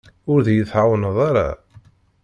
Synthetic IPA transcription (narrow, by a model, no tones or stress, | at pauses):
ʊɾðjəθʕawnəðˤaɾa̰